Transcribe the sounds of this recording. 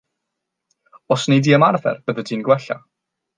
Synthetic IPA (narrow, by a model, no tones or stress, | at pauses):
ɔsnejdiːəmarðɛ̰rb̥əðədiːnɡwɛɬa̰